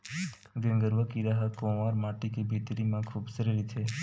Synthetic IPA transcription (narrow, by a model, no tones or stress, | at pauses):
ɡə̃ŋɡəɾʋəkiɾaɦakõʋaɾmaʈikebʱit̪ɾimãkʰubsəɾiɾit͡ʃʰe